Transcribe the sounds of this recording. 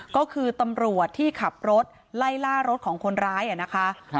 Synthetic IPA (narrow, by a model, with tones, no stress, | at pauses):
kɔː˥˩kʰɯː˧t̪a˧mɾu˨˩ət̪ʰːiː˥˩kʰa˨˩p̚ɾo˦˥t̪̚ | la˥˩jlaː˥˩ɾo˦˥t̪̚kʰɔː˩˦ŋkʰo˧nɾaː˦˥jʔa˨˩na˦˥kʰa˦˥